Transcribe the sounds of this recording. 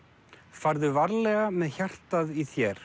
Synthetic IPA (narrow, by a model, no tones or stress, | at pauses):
faɾðʏvaɾlɛɣamɛðçar̥t̪aðiθjɛɾ̥